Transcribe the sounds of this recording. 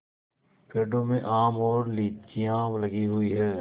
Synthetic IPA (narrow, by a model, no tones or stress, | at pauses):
peːɖõmẽʔaːmɔːɾliːt͡ʃijãːʋlɐɡiɦʊiɦɛː